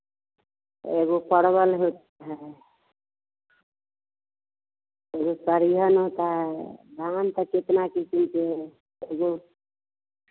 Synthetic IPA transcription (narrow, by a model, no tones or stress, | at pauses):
ḛɡopəɽbəlɦot̪aɦɛ | eɡosəɾiɦənɦot̪aɦɛb̪ʱant̪əket̪nakekint͡ʃe | eɡo